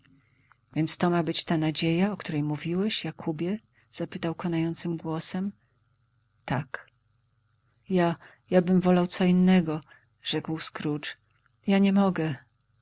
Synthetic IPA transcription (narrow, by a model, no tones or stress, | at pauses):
vʲjɛnt̪st̪ɔmabɘt͡ɕt̪anad͡ʑejaɔkt̪uɾɛjmuvʲiwɛɕjakʰubʲjɛ | z̥apɘt̪awkɔnajɔnt̪sɘmɡwɔsɛm | t̪ak | ja | jabɘmvɔlawt̪sɔinːɛɡɔ | ʐ̥ɛkwskɾut͡ʂ | jaɲɛmɔɡɛ